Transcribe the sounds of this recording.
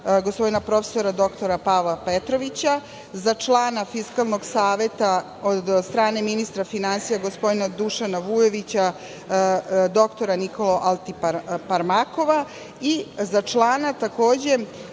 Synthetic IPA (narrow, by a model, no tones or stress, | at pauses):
ɡospo̞d̪inapɾo̞fe̥so̞ɾad̪o̞kt̪o̞ɾapalˠapet̪ɾo̞ʋit͡ɕa | zat͡ʂlˠaːnafiskalˠno̞ɡsaːʋe̞t̪a | od̪st̪ɾaːne̞minist̪ɾafinansijaɡospod̪inad̪uʃanaʋujo̞ʋit͡ɕa | d̪o̞kt̪o̞ɾaniko̞loʔalˠt̪ippaɾmako̞ʋa | izat͡ʂlˠaːnat̪ako̞ːd͡ʑe̞